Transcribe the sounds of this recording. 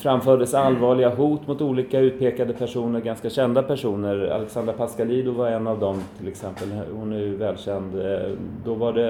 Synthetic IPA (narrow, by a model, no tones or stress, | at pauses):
fɾamfœːɖəsalvɑːɭɪɡaɦuːt̪mʊt̪uːliːkaʉ̟ːt̪̚pʰeːkad̪əpʰæʂuːnəɾɡanskaɕɛnd̪apæʂuːnəɾa̰lɛksand̪əɾpʰaskaliːd̪ʊvaɾɛnːavd̪ɔmt̪ʰɪlɛksɛmpəlhʊnæjɵvɛːlɕɛnd̪d̪ɔvaɖɛ